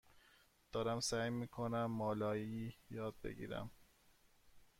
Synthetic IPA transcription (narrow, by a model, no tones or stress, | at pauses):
d̪̥ɒːɾæmsæːjmiːkʰonæmːɒːlɒːjiːjɒːd̪̚bḛɡḭːɾæ̰m